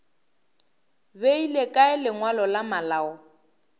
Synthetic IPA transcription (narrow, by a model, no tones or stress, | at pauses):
beilekʼaɪlɪŋwalɔlamalaːɔ